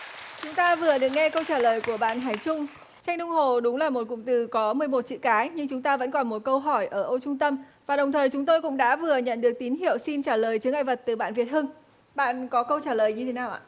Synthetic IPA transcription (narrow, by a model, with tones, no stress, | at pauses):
t͡ɕʊ˨˦ŋ͡mt̪aː˧vɨ˨˩əɗɨ˨˩ək̚ŋɛ˧kə˧wt͡ɕaː˧˩ləː˨˩jku˧˩əɓa̰ː˧˨nɦaː˨˩jt͡ɕʊ˧ŋ͡m | t͡ɕa˧jŋ̟ɗʊ˧ŋ͡mɦo˨˩ɗʊ˨˦ŋ͡mlaː˨˩mo˨˩t̚kʊ̰˧˨ŋ͡mt̪ɨ˨˩kɔ˨˦mɨ˨˩əjmo˨˩t̚t͡ɕḭ˧˨kaː˨˦jɲɨ˧ŋt͡ɕʊ˨˦ŋ͡mt̪aː˧və̰˧˥nkɔ˨˩nmo˨˩t̚kə˧wɦɔ˧˩jʔəː˧˩ʔo˧t͡ɕʊ˧ŋ͡mt̪ə˧mvaː˨˩ɗə˨˩wŋ͡mt̪ʰəː˨˩jt͡ɕʊ˨˦ŋ͡mt̪o˧jkʊ̰˧˥ŋ͡mɗa̰ː˧˥vɨ˨˩əɲə̰˧˨nɗɨ˨˩ək̚t̪i˨˦nɦi˧˨əwsi˧nt͡ɕaː˧˩ləː˨˩jt͡ɕɨ˨˦ŋʔaː˧jvə˨˩t̚t̪ɨ˨˩ɓa̰ː˧˨nvi˨˩ət̚hɨ˧ŋ | ɓa̰ː˧˨nkɔ˨˦kə˧wt͡ɕaː˧˩ləː˨˩jɲɨ˧t̪ʰe˨˦naː˨˩wʔa̰ː˧˨